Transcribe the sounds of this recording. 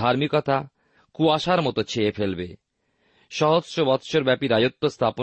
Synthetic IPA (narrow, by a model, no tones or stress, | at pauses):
aɾmikɔt̪a | kuaʃaɾmɔt̪ot͡ɕʰeːfelbe | ʃɔɦod͡ʑʃobɔt̪ʃoɾbɛpiɾad͡ʑot̪ːost̪ʰapo